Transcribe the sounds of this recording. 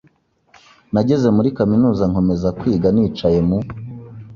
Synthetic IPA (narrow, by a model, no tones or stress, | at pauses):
naɟe̞ze̞muɾikaminuːzaŋ̥o̞me̞zakwiːɡaniːt͡ʃaje̞mu